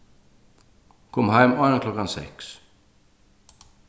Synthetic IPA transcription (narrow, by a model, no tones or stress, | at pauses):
kʰɔmhæɪmɑnəkʰlɔkansɛ̰ks